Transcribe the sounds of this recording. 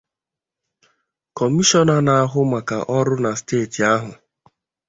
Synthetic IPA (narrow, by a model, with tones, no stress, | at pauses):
kɔ˨mi˦ʃɔ˦na˨na˨a˨ɦʊ˦ma˨ka̰˨ʔɔ˦ɾʊ˦na˨steː˦˨ti˨a˦ɦʊ˨